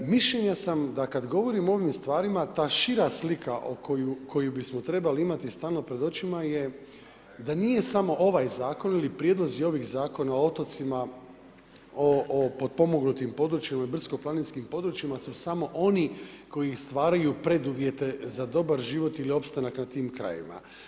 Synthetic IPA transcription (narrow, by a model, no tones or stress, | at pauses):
miʃʎe̞ɲasamd̪akad̪ɡo̞ʋo̞ɾimoo̞ʋimst̪ʋaːɾimat̪aːʃiɾaslikaʔokojukʰo̞jubismo̞t̪ɾe̞baliimat̪ist̪aːlˠno̞pɾe̞d̪o̞t͡ʃimaje | d̪anije̞samo̞ʔo̞ʋajzaːko̞nilipɾjed̪lo̞zio̞ʋixzaːko̞naoot̪o̞t̪sima | opo̞d̪̚po̞mo̞ɡnut̪impo̞d̪ɾut͡ʃjimaibr̩sko̞planinskimpo̞d̪ɾut͡ʃimasusamo̞ʔo̞ni | ko̞jist̪ʋaːɾajupɾe̞d̪uʋje̞t̪e̞zad̪o̞baɾʒiʋo̞t̪ilio̞pst̪anaknat̪iːmkɾa̰jḭma̰